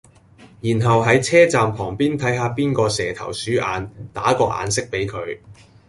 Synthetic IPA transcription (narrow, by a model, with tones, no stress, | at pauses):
jiː˨˩nɦɐ˨wɦɐ˨˥jt͡sʰɛː˥t͡saː˨mpʰɔː˨˩ŋpiː˥nt̪ʰɐ˨˥jɦaː˧piː˥nkɔː˧sɛː˨t̪ʰɐ̰˨˩wsyː˨˥ʔaː˨˧nt̪aː˨˥kɔː˧ʔa̰ː˨˧nsɪ˥k̚pe˨˥jkʰɵ˨˧ɥ